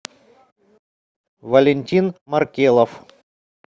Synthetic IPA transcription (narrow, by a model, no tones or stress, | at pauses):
vɐlʲɪnʲtʲinmɐrkʲelˠəf